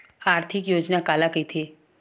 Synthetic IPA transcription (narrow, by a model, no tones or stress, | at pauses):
aːɾt̪ʰɪkjoːd͡ʒnakaːlakəit̪ʰeː